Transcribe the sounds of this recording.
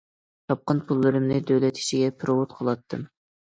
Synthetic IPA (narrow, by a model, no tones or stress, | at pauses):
t̪ʰɑp̚qənpʰulˠːɨɾɨmnɨd̪øwlɛt̪ʰi̥ʃiɡʲɛpʰɨɾowʊt̪qʰolˠɑt̪ʰːɨm